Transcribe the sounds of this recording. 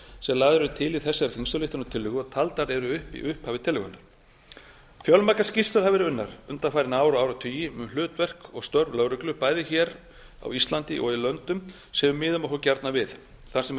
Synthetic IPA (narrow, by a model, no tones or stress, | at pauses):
sɛlaːðʏɾʏt̪ʰɪliθɛsːaɾfinst̪ʏlɪht̪ʏnʏt̪ʰɪlːʏɣʏɔt̪ʰalt̪aɾɛɾʏʏhpḭʔʏhphaːvɪt̪ʰɪlːʏɣʏnːaɾ̥ | fjœlmakḁscist̪ʏɾ̥havɪɾʏnːaɾ̥ʏnt̪afajɾɪnaːwɾɔaːwɾat̪ʰʏjimlʏːt̪vɛr̥kɔɣst̪œɾvlœwɾʏklʏpaːjðɪçɛɾ | a̰wist̪lant̪ɪʔɔ̰ɣilœnt̪ʏm | sɛmʏmːɪːðʏmɔhkɔcaɾt̪navɪð | θḁsɛm